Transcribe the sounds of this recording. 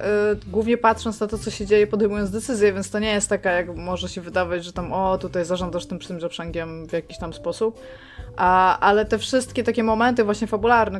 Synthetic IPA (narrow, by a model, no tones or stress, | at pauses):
ɡwuvɲɛpat̪ʂɔnt̪snat̪ɔt̪sɔɕɛd͡ʑejɛpɔd̪ɛjmujɔnzd̪ɛt̪sɘzʲjɛvʲɛnt̪st̪ɔɲejɛst̪ːakajakmɔʐɛɕɛvɘd̪avad͡ʑʐɛt̪amɔt̪ut̪ajzaʐɔnd̪aʂt̪ɘmʂt̪ɘmzɔpʂɛŋɡʲɛmvjakʲiɕt̪amspɔsup̚ | ʔaʔalɛt̪ɛfʂɘst̪kʲɛt̪akʲɛmɔmɛnt̪ɨvwaɕɲɛfabulaɾnɛ